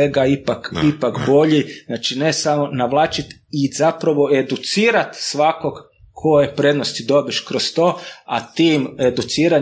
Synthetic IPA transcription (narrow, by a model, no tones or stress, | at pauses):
eɡaipakipakbo̞ʎiznaːt͡ʃinesamo̞naʋlˠaːt͡ʃit̪ | izapɾaʋo̞e̞d̪ut̪siːɾat̪sʋako̞ɡ | kʰo̞jepɾed̪nost̪id̪o̞biʃkɾost̪o̞ːa̰t̪iːmed̪ut̪siːɾa